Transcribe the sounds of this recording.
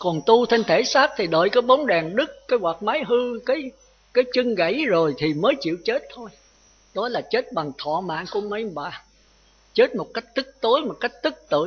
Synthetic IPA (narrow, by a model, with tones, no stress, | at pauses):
kɔ˨˩nt̪u˧t̪ʰe˧nt̪ʰe˧˩˦saː˦˥k̚t̪ʰi˨˩ɗə̰ː˧˨jkaː˨˦jɓɔ˨˦wnɗaː˨˩ŋɗɨ˦˥k̚kaː˨˦jwa˨˩maː˨˦jɦɨ˧kaː˨˦j | kaː˨˦jt͡ɕɨ˧ŋɣə̰˧˩˦jzo˨˩jt̪ʰi˨˩məː˨˦jt͡ɕḭ˧˨əwt͡ɕe˦˥t̚t̪ʰo˧j | ɗɔ˨˦laː˨˩t͡ɕe˦˥t̚ɓa˨˩ŋt̪ʰɔ̰˧˨ma̰ː˧˨nku˧˩əmə˨˦jɓaː˨˩ | t͡ɕe˦˥t̚mo˨˩t̚ka˦˥jk̟̚t̪ɨ˦˥k̚t̪o˨˦jmo˨˩t̚ka˦˥jk̟̚t̪ɨ˦˥k̚t̪ɨ̰˧˨